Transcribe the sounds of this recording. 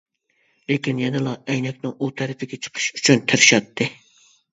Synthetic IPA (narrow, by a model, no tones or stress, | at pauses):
lekʲinjɛnɨlˠɑɛjnɛkʲnɪŋut̪ʰɛɾɪpʰɪɡʲɛt͡ʃʰə̥qʰɨ̥ʃyt͡ʃʰynt̪ʰɪɾɪʃɑt̪ʰːɨ